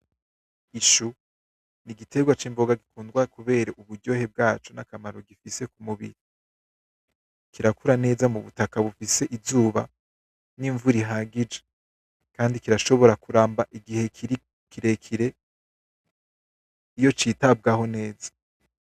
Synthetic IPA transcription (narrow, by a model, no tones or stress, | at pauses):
iʃu | niɡitʰe̞ɡwat͡ʃiːmbo̞ɡaɡikuːndɡwakuβe̞ːɾeʔuβuɾɟo̞ːhe̞b̚ɡaːt͡ʃonakamaɾo̞ɡifise̞kumuβḭɾi | kiɾakuɾane̞ːzamuβṵtakaβufise̞ʔizuːβa | niɱvuɾiɦaɡid͡ʒe | kaːndikiɾaʃo̞βo̞ɾakuɾaːmbaʔiɡihe̞kiɾi | kiɾekʰiɾe̞ | ijo̞t͡ʃitab̚ɡaɦo̞ne̞ːzḁ